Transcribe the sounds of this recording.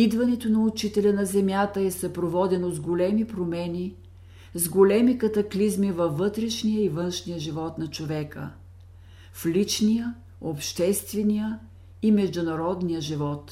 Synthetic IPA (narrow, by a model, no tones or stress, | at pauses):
id̪vɐnɛt̪onɐʊt͡ʃit̪ɛlʲənɐzɛmjat̪əɛsɐpɾovɔd̪ɛnozɡolɛmipɾomɛni | zɡolɛmikɐt̪ɐklizmivɐvːɤt̪ɾɛʃnijəivənʃnijəʒivɔt̪nɐt͡ʃovɛkə̰ | flit͡ʃnijə | opʃt̪ɛst̪vɛnijə | imɛʒd̪ʊnɐɾɔd̪nijəʒivɔt̪